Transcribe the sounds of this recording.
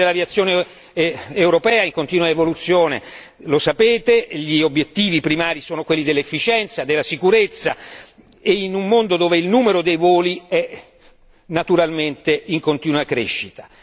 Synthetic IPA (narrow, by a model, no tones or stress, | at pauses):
elaviat̪sːjoːne | ewɾopɛːaiŋkont̪iːnwaevolut̪sːjoːnḛ | losapeːt̪eʎiobjet̪ːiːvipɾimaːɾisoːnokwelːid̪elːefːit͡ʃɛnt̪sad̪elːasikuɾet̪sːa̰ | einummond̪od̪oːveilnuːmeɾod̪ejvoːliɛ | nat̪uɾalment̪eiŋkont̪iːnwakɾḛʃːit̪ḁ